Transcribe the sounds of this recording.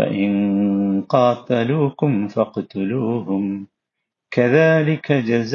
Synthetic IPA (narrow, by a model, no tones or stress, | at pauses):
a̰ʔɪnqɑːt̪aluːkʊmfɑqt̪ʊluːhʊm | kaðaːlɪkʰad͡ʒaz